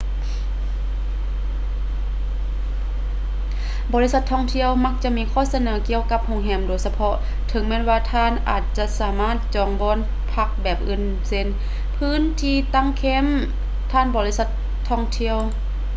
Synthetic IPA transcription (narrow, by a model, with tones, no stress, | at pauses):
bɔː˧li˧˥sa˧˦t̪ʰːɔː˧˥˨ŋt̪ʰi˧˨əwma˧˥k̚t͡ɕa˧ʔmiː˧˥˨kʰɔː˧˥˨sa˧nɤː˨˩˦ki˧˨əwka˧˥p̚ho˧˥ŋɦɛː˧˩mdoː˧˩˦jsa˧pʰɔ˧˥ | t̪ʰɤ˩˦ŋmɛː˧˥˨nwaː˧t̪ʰaː˧˨nʔa̰ː˨˩t̪̚t͡ɕa˧saː˨˩˦maː˥˨t̪̚t͡ɕɔː˧˩ŋbɔː˧˥˨n | pʰa˧k̚bɛː˨˩p̚ʔɯ˧˩˨n | se˧n | pʰɯː˧˥˨nt̪ʰiː˧˨t̪a˧˥˨ŋkʰeː˧˥˨m | t̪ʰaː˧˥˨nbɔː˧˨li˧˥sa˧˦t̪ʰːɔː˧˥˨ŋt̪ʰi˧˨əw